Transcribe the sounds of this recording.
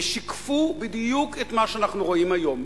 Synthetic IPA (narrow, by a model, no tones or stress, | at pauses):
ʃikfubid̪juket̪maʃeanaχnuʁoimajo̞m